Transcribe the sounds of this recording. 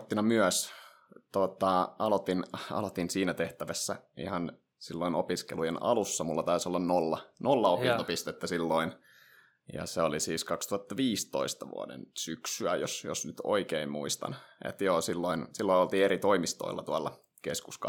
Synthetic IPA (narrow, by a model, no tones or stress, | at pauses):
t̪ːinɑmyœs | t̪ot̪ɑɑlot̪inɑ̰lot̪insiːnæt̪eht̪æʋæsːæḭhɑn | silːoino̰piskelujenɑ̰lusːɑmulːɑt̪ɑisolːɑnnolːɑnolːɑopinopist̪et̪ːæsilːoin | jɑ̰seolisiːskɑkst̪uhɑt̪ːɑʋiːst̪oist̪ɑʋṵɑ̰dḛnsyksyæjosjosnyt̪oikeimmṵist̪ɑ̰nḛt̪joːsilːoinsilːoiolt̪iːeɾit̪oimist̪o̰ilːɑt̪uɑlːɑ | keskusk